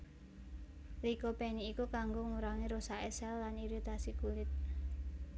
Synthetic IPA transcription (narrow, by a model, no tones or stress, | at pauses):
likopeniːkukaŋɡoŋuɾaŋiɾosaesɛlːaniɾit̪asikulɪt̪̚